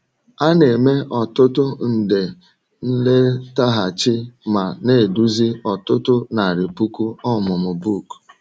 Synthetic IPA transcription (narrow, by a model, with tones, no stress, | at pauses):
a˦ne˨me˦ʔɔ˨tʊ˦tʊ˦n̩˨de˨ | n̩˦le˦ta˦ɦa˨t͡ʃɪ˦ma˨ne˦˨du˦zi˦ɔ˨tʊ˦tʊ˦na˨ɾɪ˨pu˦ku˦ɔ˦˨mʊ˨mʊ˨bu˦˨k